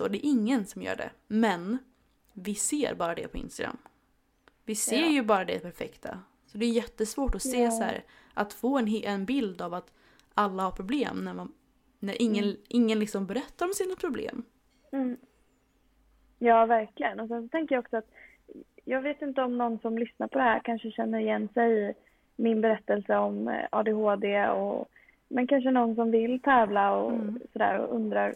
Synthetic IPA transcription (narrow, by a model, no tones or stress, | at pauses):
sɔ̰d̪ɛːɾʔɪŋːənsɔmjœ̰ːɖɛ̰mɛn | vɪseːɾbɑːɾad̪ɛ̰pʰɔɪ̰nst̪aɡɾa̰mː | vɪseːɾjɵbɑːɾad̪ɛ̰d̪ɛpʰæɾfɛkt̪ʰa̰ | sɔd̪ɛjʏjɛt̪ːəsvoːʈɔseːsæ̰ːɾ | ʔat̪foːɛnɦʔɛnbɪld̪avat̪ | alːahaɾpʰɾʊbleːmnæɾma | næɾʔɪŋːənʔɪŋːənlɪksɔmbɛɾɛt̪ːaɾɔmsiːnapʰɾʊblḛːm | m̩ː | jɑːvæɾklɪɡənɔsɛns̬ɔt̪ʰɛŋkəjaɔksɔat̪ | jɑːɡveːt̪ɪnt̪əɔmnɔnːsɔmlʏsnaɾpʰɔd̪ɛhæːɾkʰanʂəɕɛnːəɾɪjɛnːsɛj | mɪnbɛɾɛt̪ːɛlsəɔmɑ̰ːd̪eɦoːd̪eːɔ̰ | mɛnkʰanʂ̬ənɔnːs̬ɔmvɪlt̪ʰɛːvlaɔ̰sɔd̪æ̰ːɾɔ̰ʔɵnd̪ɾaɾ